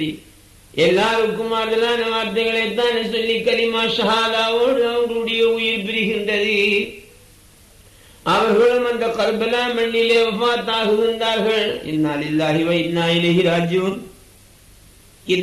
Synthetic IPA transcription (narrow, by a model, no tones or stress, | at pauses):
i | ʔɛlːaːɾɯkːɯmaːɾðɐlaːnɐʋaːɾt̪ɐɪɣɐɭet̪ːãːnesɔlːikːɐlɪmaːʃɐɦaːðaːʋoːɽɯɐʋɐnduɽɐjɐʊjɪɾpɪɾɯɣɪndrɐðɯ | ʔɐʋɐɾɣɐɭɯmɐnd̪ɐkɐɾbɐlaːmɐɳːɪleːʋɐfaːt̪ːaːɣɯɾɯnd̪aːɾɣɐɭɪ̰nːaːlɪlːaːɦiʋɐɪd̪naːɪlɐɦiɾaːd͡ʒm | ɪ